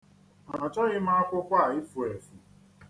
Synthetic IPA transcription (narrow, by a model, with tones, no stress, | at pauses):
a˨t͡ʃɔ˦ɣɪ˦ma˦a˦kʷʊ˦kʷa˦˨ɪ˦fu˨e˨fu˨